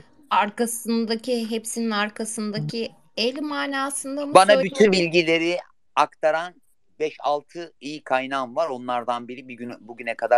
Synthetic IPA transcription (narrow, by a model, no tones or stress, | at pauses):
aɾkasɯnd̪acʰiɦepsininaɾkʰasɯnd̪acʰi | elʲmaːnaːsɯnd̪ambanabyt̪ʰynbilʲɟilʲe̞ɾi | akt̪ʰaɾan | bɛʃa̰lˠt̪ʰɯijikʰajnaːmvaɾo̞nlˠaɾd̪anbiɾibiynbuɟynɛkʰad̪a